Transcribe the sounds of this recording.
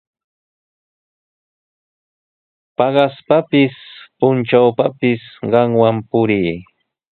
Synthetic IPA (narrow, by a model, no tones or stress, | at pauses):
pɑɢɑspapɪspʊnt͡ʃawpapɪsɢɑŋwampʊɾiː